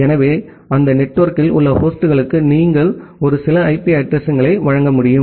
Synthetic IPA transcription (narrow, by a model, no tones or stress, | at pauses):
ɛnɐʋeː | ɐnd̪ɐnɛʈːɐːɾkɪlʊ̰lːɐpoːsʈɯɣɐɭɯkːɯniːŋɡɐɭɔɾɯsɪlɐɐɪpiɐʈɾɐsɐŋɡɐɭɐɪʋɐɻɐŋɡɐmʊɽɪjɯm